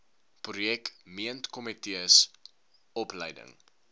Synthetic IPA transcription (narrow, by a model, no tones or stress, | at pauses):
prujɛkmiəntkɔmitiəs | ɔpləjdə̰ŋ